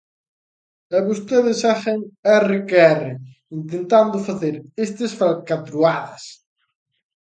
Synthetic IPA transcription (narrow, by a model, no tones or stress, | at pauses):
eβust̪eðɪsaʃeŋɛrekeɛre | int̪ent̪and̪ʊfaθeɾest̪esfalkat̪ɾuaðɐs